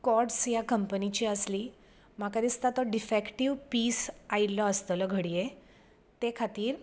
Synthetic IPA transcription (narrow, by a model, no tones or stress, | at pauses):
kɔʈsjakəmpənit͡ɕiːəsliː | makad̪ist̪at̪ɔɖifɛkʈiʋpiːsailəəst̪ələɡʱəɽije | t̪ekʰat̪iːɾ